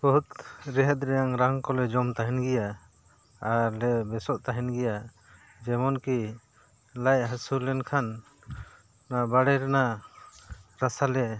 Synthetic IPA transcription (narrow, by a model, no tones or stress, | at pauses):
bɔɦut̪ɾɛɦɛt̪̚ɾɛjaŋɾaŋkɔlɛd͡ʒɔmt̪aɦɛnɡɛja | alɛbɛsɔʔ̚t̪aɦɛnɡɛja | d͡ʒɛmɔnki | lajɦasulɛnkʰan | abaɽɛɾɛna | ɾasalɛ